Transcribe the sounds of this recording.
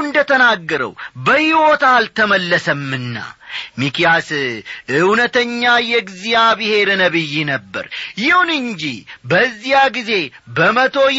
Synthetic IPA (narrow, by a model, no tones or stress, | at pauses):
ɨnd̪ət̪ʰənaɡːəɾə̰wbəhiwo̞t̪alt̪ʰəməlːəsəmːɨnːa̰mikijasɨwnət̪ʰəɲːajɛɡɨzijabɨhe̞ɾnəβɨjːinəbːə̰ɾjɪhunɨɲd͡ʒibəzːijaɡize̞bəmət̪ʰo̞j